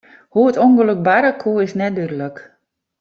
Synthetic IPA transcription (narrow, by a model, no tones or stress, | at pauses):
huətonɡəløk̚baɾakʰuɪsnɛdydələk